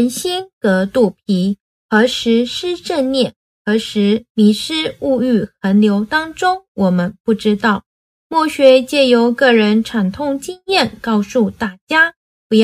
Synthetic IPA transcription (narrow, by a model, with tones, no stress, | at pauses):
ə˧˥nɕi˥nkɤ˧˥t̪u˥˩pʰi˧˥ | xɤ˧˥ʂɻ̩˧˥ʂɻ̩˥ʈ͡ʂə˥˧nnjɛ˥˩ | xɤ˧˥ʂɻ̩˧˥li˧˥ʂɻ̩˥u˥˧y˥˩xə˧˥nljo˧˥ʊt̪ɑ˥ŋʈ͡ʂʊ˥ŋwʔɔ˨˩mə˦npu˥˩ʈ͡ʂɻ̩˥t̪ɑ˥˩ʊ | mwɔ˥˩ɕɥɛ˧˥t͡ɕjɛ˥˩jo˧˥ʊkɤ˥˩ɻə˧˥nʈ͡ʂʰa˨˩nt̪ʰʊ˥˧ŋt͡ɕi˥ŋjɛ˥˩nkɑ˥˧ʊsu˥˧t̪a˥˩t͡ɕja˥ | pu˧˥j